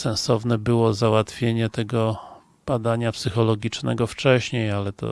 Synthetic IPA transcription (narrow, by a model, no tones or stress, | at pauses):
sɛ̃ñsɔvnɛbɘwɔzawat̪fʲjeɲɛt̪ɛɡɔ | b̥ad̪aɲapsɘxɔlɔɡʲit͡ʂnɛ̰ɡɔft͡ʂɛɕɲejalɛt̪ɔ̰